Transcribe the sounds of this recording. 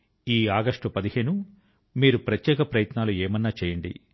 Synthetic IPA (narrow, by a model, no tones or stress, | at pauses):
iːaːɡɐʂʈupɐd̪iheːnu | miːɾupɾɐt̪jɛːkɐpɾɐjɐt̪naːlueːmɐnːaːt͡ʃɛːjɐɳɖḭ